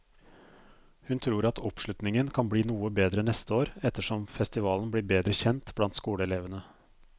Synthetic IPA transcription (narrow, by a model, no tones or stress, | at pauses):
hʉnt̪ʰɾuːɾɑt̪ʰɔpʂɭʉt̪nɪŋənkʰɑnbliːnuːəbeːd̪ɾənɛst̪əoːɾɛt̪ːəʂɔmfɛst̪ɪʋɑːlnbliːɾbeːd̪ɾəçɛnt̪blɑnt̪skuːləɛleːʋənə